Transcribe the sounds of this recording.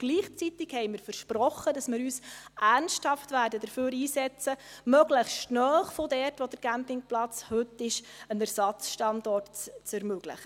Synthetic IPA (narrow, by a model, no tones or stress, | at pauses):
ɡ̥liːχt͡sit̪ɪkhɛɪmɪːɾfəɾʃprɔχːədɑsmɪːɾyːsʔæɾnsthɑftʋæːɾdəd̥əɾføːɾiːsɛt͡səmœɡləχstnœːχfodɛrtʋod̥əɾɡ̥æmpɪŋplɑt͡shɵtːɪʃənæɾsɑt͡sʃtɑndɔrtt͡sɛɾmɵɡ̥ləχə